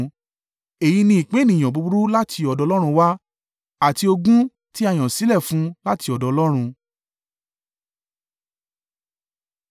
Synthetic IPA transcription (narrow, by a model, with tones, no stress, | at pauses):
e˨ji˨˧nĩ˧˦i˨k͡pẽ˨˦nĩ˨ɔ̃˨bu˨˧bu˦ɾu˦la˦tʰi˧ɔ˨dɔ˧lɔ˦ɾ̃ũ˧wa˦ | a˦˨ti˧o˧ɡũ˦ | ti˦a˦˧j̃ɔ̃˨si˨˦lɛ˦˨fũ˨˦la˦ti˧ɔ˨dɔ˨˧lɔ˦ɾ̃ũ˧